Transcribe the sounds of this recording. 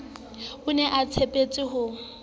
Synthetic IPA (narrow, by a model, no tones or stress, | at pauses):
ʊnɛʔat͡sʰepʼet͡sʼɪɦʊ